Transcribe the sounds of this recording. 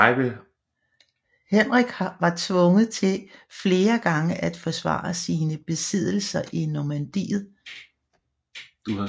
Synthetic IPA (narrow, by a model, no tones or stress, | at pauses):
ɪʋe | henʁɛɡ̥ʋɑ̈t͡sʰʋɔ̽ŋəð̩ˠt͡sʰe̝lfle̝ːɐɡ̥ɑ̈ŋəʔæd̥fɒ̽sʋɑ̰̈ːsiːnəb̥e̝sið̞̰ˠl̩sɐʔinomænd̥ḭːð̞̩ˠ | d̥uɑ